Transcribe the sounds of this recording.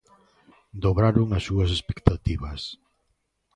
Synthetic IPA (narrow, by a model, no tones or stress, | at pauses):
d̪oβɾaɾʊŋasːuɐsespe̥kt̪at̪iβɐs